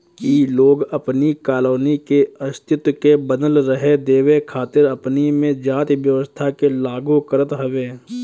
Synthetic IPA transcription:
kiloːɡɐpnikaːloːnikeɐst̪ʰɪt̪kebəd̪əlɾəɦed̪eːwekʰaːt̪ɪɾɐpnimẽd͡ʒaːt̪ʋjəʋəst̪ʰakelaːɡukəɾət̪ɦɐʋeː

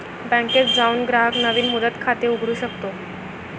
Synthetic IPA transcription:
bæ̃ŋket͡sd͡zaunɡɾaɦəknəʋiːnmud̪ət̪kʰat̪euɡʱɽuːɕəkt̪o

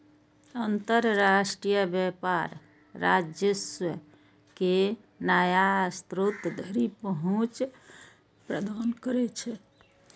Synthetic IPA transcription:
ənt̪əɾɾasʈɾijəbjɛpaɾ | ɾa̰d͡ʒjəswə | ke | najast̪ɾut̪d̪ʱəɾipəɦũt͡ʃ | pɾəd̪ʱankəɾɛt͡ʃʰɛ

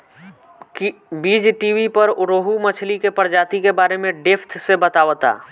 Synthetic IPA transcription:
kbiːd͡ʒʈiːwipəɾʊɾoːɦumət͡ʃʰlikepəɽd͡ʒaːt̪ikebaːɾemẽɖepʰt̪ʰsebət̪aːʋt̪a̰ː

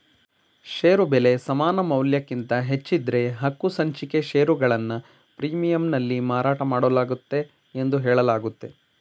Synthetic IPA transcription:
ʃeːɾubele̞sɐmaːnɐmɐwljɐkːint̪ɐɦe̞t͡ʃːid̪ɾe̞ɦɐkːusɐɲt͡ʃike̞ʃeːɾuɡɐɭɐnːɐ | pɾiːmijɐmnɐlːimaːɾaːʈɐmaːɽolaːɡut̪ːe̞ː | nd̪uɦɛːɭɐlaːɡut̪ːe̞

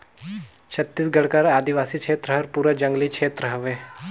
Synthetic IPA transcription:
ɕət̪ːiːsɡəɽkaɾad̪iʋasiːkʰet̪ɾəɦəɾpuɾəd͡ʒəŋɡliːkʂʰeːt̪ɾəɦəʋe

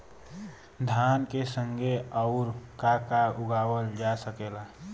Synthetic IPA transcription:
d̪ʱankesəŋɡeəʊɾkakauɡawəld͡ʒasəkela

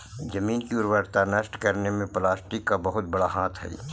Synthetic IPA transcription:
d͡ʒɐmiːnkiʊɾʋəɾt̪anɐʃʈkɐɾnemẽplaːsʈɪkːabɐɦʊt̪̚bɐɽaɦaːt̪ʰɦɛ̰ː

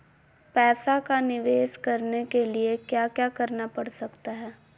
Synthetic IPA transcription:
pɛːsakanɪʋeːʃkɐɾnekeliekjaːkjaːkɐɾnapɐɽsɐkt̪aɦɛː

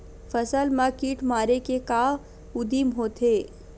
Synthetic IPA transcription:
fəsəlmakiːʈʰmaːɾekekaː | ʊd̪imɦoːt̪ʰeː

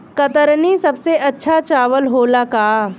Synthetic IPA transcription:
kɐt̪əɾnisɐbseʔɐtːʃʰat͡ʃaːʋəlɦoːlakaː

